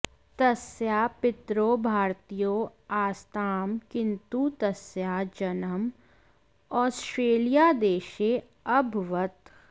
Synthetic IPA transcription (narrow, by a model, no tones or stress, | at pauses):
t̪ɐsjaːpɪt̪ɾoːbʱaːɾt̪ijoːaːst̪aːmkɪ̃nt̪ut̪ɐsjaːd͡ʒɐnəm | ɔːsʈɾeːlijaːd̪eːʃe | ɐbʱʋət̪